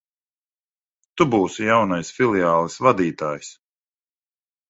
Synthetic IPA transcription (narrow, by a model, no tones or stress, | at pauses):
t̪ubuːsijawnajsfʲilˠiaːlˠɨsvad̪iːt̪aːjs